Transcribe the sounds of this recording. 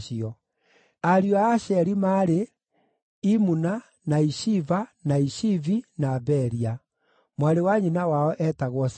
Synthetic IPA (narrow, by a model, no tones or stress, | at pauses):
ʃiɔ | aɾjɔaːʃɛɾimaɾe | imuna | naiʃivanaiʃivinaːbɛɾia | mwaɾewaɲinawaɔʔɛtaɣwɔs